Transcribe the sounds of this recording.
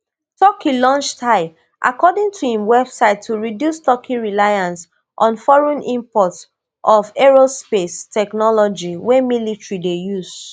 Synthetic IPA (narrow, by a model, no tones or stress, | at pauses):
tɔkilɔ̃nt͡ʃtʰaɪb | ʔa̰kɔdĩŋtʰuhĩmwɛbsaɪtʰːuɹidjustɔkʰiɹilajãns | ʔɔ̃nfɔɹɔ̃nʔĩmpɔt | ʔɔfɛɹospestɛknɔlɔd͡ʒiwɛmilitɹidejuz